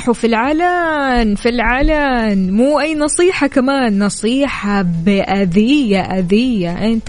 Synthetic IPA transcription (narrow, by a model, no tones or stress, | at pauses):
ħufilʕaːlanfilʕalanmuːʔajːnɑsˤiːħɑkamaːnːɑsˤiːħɑbɪʔad̪ɪjːaʔad̪ɪjːaʔɪnt̪